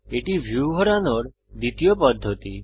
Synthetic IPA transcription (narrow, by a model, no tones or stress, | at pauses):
eʈiʋʱjuʋɔɾanoɽ | d̪it̪ijɔpɔd̪ʱːɔt̪i